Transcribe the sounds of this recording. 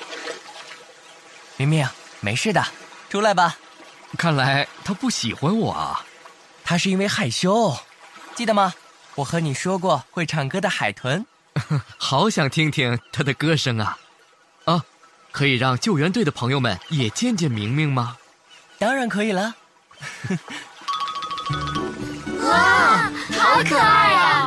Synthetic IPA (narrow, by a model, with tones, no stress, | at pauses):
mi˧˥ŋmɛ˥˩ | me˧˥ɪʂɻ̩˥˩d̪ə˩ʈ͡ʂʰu˥la˧˥ɪbɐ˨ | kʰa˥˩nla˧˥ɪt̪ʰa˥pu˥˩ɕḭ˨˩xwa˥nwɔ̰˨˩ɐ̰˦ | t̪ʰa˥ʂɻ̩˥˩i˥nwe˥˧ɪxa˨˩ɪɕjo˥ʊ | t͡ɕi˥˩d̪ə˩mɐ˩ | wɔ˨˩xɤ˧˥ni˨˩ʂwɔ˥k̬wɔ˥˧xwe˥˩ɪʈ͡ʂʰɑ˨˩ŋkɤ˥d̪ə˨xa˨˩ɪt̪ʰwə˧˥n | xɑ˧˥ʊɕjɑ˨˩ŋt̪ʰi˥ŋt̪ʰi˥ŋt̪ʰa˥d̪ə˨kɤ˥ʂɤ˥ŋɐ˨ | ə˧˩ | kʰɤ˧˥i˨˩ɻɑ˥˧ŋt͡ɕjo˥˩ʊɥɛ˧˥nt̪we˥˩ɪə˩pʰɤ˧˥ŋjo˧ʊmə̰˨˩njɛ˨˩t͡ɕjɛ˥˧nt͡ɕjɛ˥˩nmi˧˥ŋmi˥˩ŋmɐ˩ | t̪ɑ˥ŋɻa˧˥nkʰɤ˧˥i˨˩lə˦˥˩ | ɑ˧˥kʰɤ˨˩a˧˥ɪ˧˩